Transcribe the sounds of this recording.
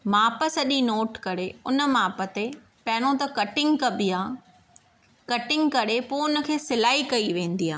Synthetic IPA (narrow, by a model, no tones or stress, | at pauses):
maːpəsɐʄinoːʈkɐɾeʊnə̆maːpə̆t̪e | pɐ̃ɦɪnõt̪̬ɐkɐʈɪ̃ŋɡkɐbiaː | kɐʈɪ̃ŋɡkɐɾepoːʊnə̆kʰeːsɪlaːikɐiʋẽːn̆d̪iɦaː